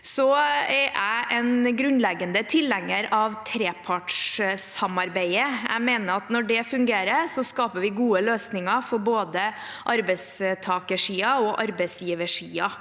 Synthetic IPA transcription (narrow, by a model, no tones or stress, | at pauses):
sɔɛɾʔæɪʔɛnɡɾʉnlɛɡːənd̪ət̪ʰɪlːɛŋːəɾɑʋt̪ʰɾeːpʰɑʈʂsɑmɑɾbæɪəæ̰ɪmeːnəɾɑt̪nɔɖɛfʉŋɡeːɾəɾsɔskɑːpəʋɪɡuːəløːsnɪŋɑfɔɾboːd̪ə | ʔɑɾbɛst̪ʰɑːkəʂiːɑɔʔɑɾbæɪsjiːʋəʂiːɑ